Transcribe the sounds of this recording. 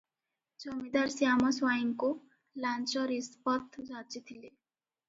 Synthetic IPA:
d͡zʌmid̪aɾsijamɔswajŋko | lant͡ʃɔɾispʌt̪ʰd͡zat͡sit̪ʰile

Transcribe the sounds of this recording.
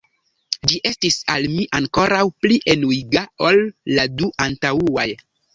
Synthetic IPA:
d͡ʒiʔe̞stisalmiʔaŋko̞ɾawpliʔe̞nuiɡao̞lːaduʔantauaj

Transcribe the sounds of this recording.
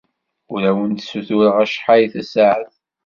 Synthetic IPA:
ʊɾæwənt̪suθuɾəʁæʃħajθæsaʕəθ

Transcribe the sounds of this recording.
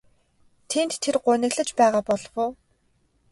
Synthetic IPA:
t̪ʰent̪ʰːerɢʊnɘ̆ɣɮə̆t͡ɕpæːʁaːpɔɮwʊː

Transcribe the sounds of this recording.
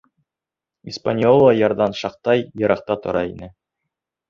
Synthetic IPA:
ispanʲjolˠːɑjɑɾd̪ɑnʃɑq̚t̪ɑjjɤ̆ɾɑq̚t̪ɑt̪ŏɾɑinɘ

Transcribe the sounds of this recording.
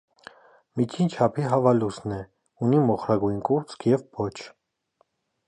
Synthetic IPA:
mit͡ʃʰint͡ʃʰɑpʰiɦɑvɑlusnɛ | unimɔχɾɑɡujnkʼuɾt͡sʰkʰjɛvbɔt͡ʃʰ

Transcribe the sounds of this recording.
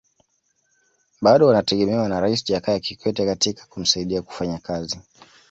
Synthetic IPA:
ɓaɗɔwanatɛɠɛmɛwanaɾaisiʄakajakikwɛtɛkatikḁkum̩saiɗiaku̥faɲakazi

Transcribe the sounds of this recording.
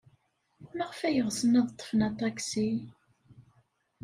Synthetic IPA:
mæʁəfæjəʁsənæðˤət̪ˤːə̥fənɑt̪ˤːɑksi

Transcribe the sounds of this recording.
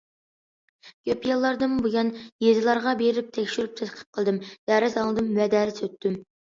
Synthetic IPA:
ɡʲøpʰijɑlˠːɑɾd̪ɨmbujɑnjezɪlˠɑɾʁɑbeɾɪp̚t̪ʰɛkʲʃyɾyp̚t̪ʰɛt̪qʰə̥p̚qʰəlˠd̪ɨmd̪̥æːɾɪzɑlˠɨd̪ɨmwɛd̪æːɾɪsøt̪ʰːym

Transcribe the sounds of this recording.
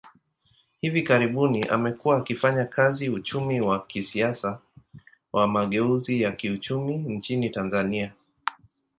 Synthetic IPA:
hivikaɾiɓuniʔa̰mɛkuwaːkifaɲakʰaziut͡ʃumiwakisiasa | wʔamaɠɛuzijakiut͡ʃumin̩t͡ʃinitanzania

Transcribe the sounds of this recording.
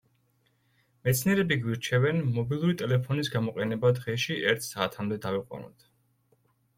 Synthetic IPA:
mɛt̪sʰniɛɾɛbiɡwiɾt͡ʃʰɛvɛnmɔbilˠuɾit̪ʼɛlɛpʰɔnisɡamɔqʼɛnɛbad̪ʁɛʃiʔɛɾt̪ʰsaːt̪ʰamd̪ɛd̪aviqʼwa̰nɔ̰t̪ʰ

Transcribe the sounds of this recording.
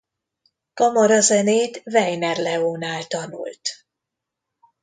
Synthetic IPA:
kɒmɒɾɒzɛneːt̪vɛjnɛrlɛoːnaːlt̪ɒnṵlt̪

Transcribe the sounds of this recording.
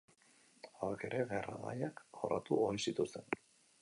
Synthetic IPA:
aake̞ɾe̞βera̰ða̰jakʝo̞rat̪uojsit̪ust̪e̞n

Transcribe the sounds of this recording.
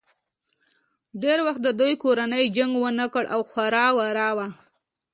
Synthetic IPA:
ɖeɾwaxt̪̚d̪əd̪ujkoɾanəjd͡ʒaŋɡwənakəɽʔa̰wxwaɾɑwaɾɑwa

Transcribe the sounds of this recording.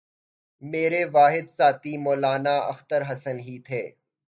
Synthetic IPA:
meːɾeʋaːɦɪd̪saːt̪imoːlaːnaɐ̰xt̪əɾɦɐsənɦit̪ʰeː

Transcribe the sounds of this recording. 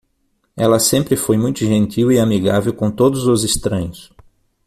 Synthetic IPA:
ɛlɐsẽmpɾɪfojmũj̃t̪ʊʒẽnt̪iwiamiɡavewkõt̪od̪ʊzʊzist̪ɾɐ̃ɲʊs

